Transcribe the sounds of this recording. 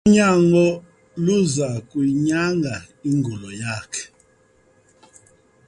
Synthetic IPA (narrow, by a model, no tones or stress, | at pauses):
ɲaŋɡɔ | luzakwiɲaŋɡa | iŋɡulɔjakʰɛ̥